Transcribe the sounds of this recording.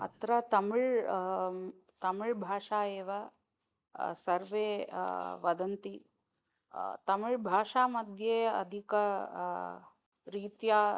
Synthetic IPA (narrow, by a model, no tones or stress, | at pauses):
ɐ̰t̪ɾɐt̪ɐmuɻ | t̪ɐmuɭbʱaːʂaːeːʋa | sɐɾʋe | ʋɐd̪ɐnt̪i | t̪ɐmuɻbʱaːʂaːmɐd̪ʱjeɐ̰d̪ʱikɐ | ɾiːt̪ja